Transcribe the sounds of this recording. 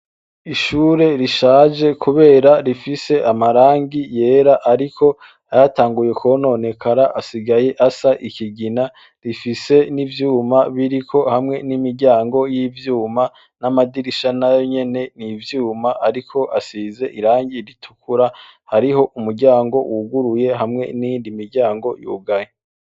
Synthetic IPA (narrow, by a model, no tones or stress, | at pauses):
iʃuːɾe̞ɾiʃaːʒe̞kʰuβe̞ːɾaɾifise̞ʔamaɾaːŋɡije̞ːɾaʔaɾikʰo | ajataːŋɡuje̞kʰo̞no̞ne̞kʰaɾaʔasiɡaje̞ʔasaʔikiɡina | ɾifise̞nivjuːmaβiɾikʰo̞hamŋe̞nimiɾɟaːŋɡo̞jivjuːma | namadiɾiʃanajoɲe̞ne̞nivjuːmaʔaɾikʰo̞ʔasize̞ʔiɾaːɲɟiɾitʰu̥kʰuɾahaɾiɦo̞ʔumuɾɟaːŋɡo̞̰wʔuɡuɾuje̞ɦamŋe̞̰niːndimiɾɟaːŋɡo̞̰jṵːɡaje